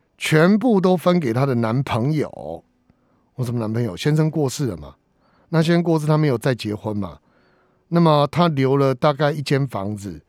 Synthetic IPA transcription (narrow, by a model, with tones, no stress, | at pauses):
t͡ɕʰɥɛ˧˦np̬u˥˩t̪̬o˥ʊfə˦nk̬e˨˩ɪt̪ʰa˦˥d̪ə˨na˧˦npʰə˧˦ŋjo̰˨˩ʊ | we˥˩sə˨˩mə˦na˧˦npʰɤ˧˦ŋjo˨˩ɕjɛ˥nʂə˥˦ŋkwɔ˥˧ʂɹ̩˥˩lə̰˩ma̰˩ | na˥˨ɕjɛ˥nʂə˥ŋkwɔ˥˧ʂ̬̩˥˩t̪ʰa˥me˧˥ɪjo˨˩ʊt͡sa˥˩ɪt͡ɕjɛ˧˥xwə˦nma̰˨˩ | na˥˩mə˨˩t̪ʰa˦ljo˧˥ʊlə˨t̪a˥˧ka˥˧ɪi˥˩t͡ɕjɛ˦nfɑ̰˧˦ŋd͡zɹ̩˨